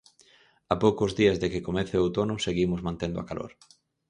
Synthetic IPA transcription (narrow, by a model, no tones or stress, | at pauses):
apowkʊzðiɐzðekɪkomeθeot̪onʊseɣimʊzmãnt̪end̪ʊa̰kalo̰ɾ